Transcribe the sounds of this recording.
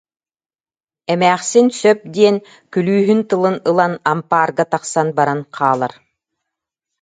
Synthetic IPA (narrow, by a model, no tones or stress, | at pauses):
ɛmæːχsinsœp̚d̪iɛn | kylyːɦynt̪ɯlˠɯnɯlˠanampaːɾɡat̪aqsanbaɾanqʰaːlˠaɾ